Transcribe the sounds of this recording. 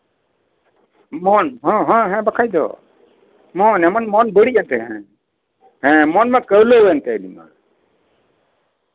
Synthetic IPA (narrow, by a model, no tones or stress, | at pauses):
mɔnɦɔ̃ɦãɦɛ̃bakʰajd̪ɔ̰ | mɔnɛmanmɔnbəɽiʔant̪ɛɦɛ̃ | hɛ̃mɔnmɛkəwləjant̪ɛəlima̰